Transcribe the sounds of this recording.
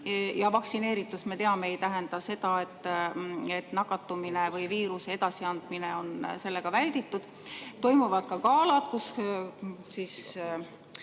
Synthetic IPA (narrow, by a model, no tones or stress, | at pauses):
jɑvɑksine̞ːɾit̪ːˑusme̞t̪e̞ɑme̞ejt̪æɦe̞nd̪̥ɑse̞d̪ɑe̞t̪ːˑ | e̞t̪ːˑnɑkːˑɑt̪ːˑumine̞vɯjviːɾusee̞d̪̥ɑsiɑnd̪̥mine̞o̞nse̞lːe̞ɡ̥ɑvælʲd̪̥it̪ːˑud̪̥ | t̪o̞jmuvɑd̪̥̚kɑkɑːlɑd̪̥kus | siːs